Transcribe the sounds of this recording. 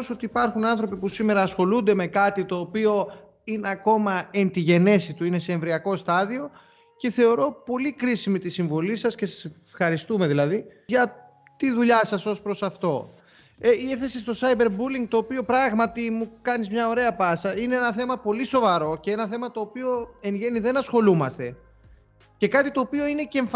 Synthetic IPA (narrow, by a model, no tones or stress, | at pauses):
so̞t̪iːpɐɾxunɐnθɾo̞pipusime̞ɾɐːsxo̞lund̪e̞me̞kɐt̪it̪o̞ːpio̞ | ine̞ɐko̞mɐe̞nt̪iʝe̞ne̞sit̪uine̞se̞ːɱvɾiɐko̞st̪ɐðio̞ | ce̞θe̞o̞ɾo̞po̞likɾisimit̪isiɱvo̞lisɐsce̞sɐsefxɐɾist̪ume̞ðilɐðiʝɐ | t̪iðuʎɐsɐso̞spɾo̞sɐft̪o̞ | eiefθe̞sist̪o̞sɐjbe̞ɾbuliŋɡ̚t̪oːpio̞pɾɐɣmɐt̪imukɐnizmɲɐo̞ɾe̞ɐpɐsɐineenɐθe̞mɐpo̞liso̞vɐɾo̞ceenɐθe̞mɐt̪o̞ːpio̞e̞ŋʝe̞niðe̞nɐsxo̞lumɐst̪e̞ | ce̞kɐt̪it̪o̞ːpio̞ine̞ceeɱf